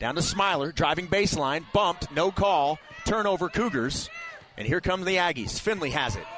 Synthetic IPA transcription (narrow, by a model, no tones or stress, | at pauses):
d̥ãʊ̃nəsmaɪlˠə˞dɹaɪvɪ̃ŋbeɪslãɪ̃nb̥ʌ̃mp̚tnoʊkʰɔlˠ | tʰɜ̃˞noʊvə˞kʰʉɡə˞z̥ | ʔɨ̰̃nhiɹkʰʌ̃mzðiæɡḭz̥fɪ̃nliɨzɪ̰t̚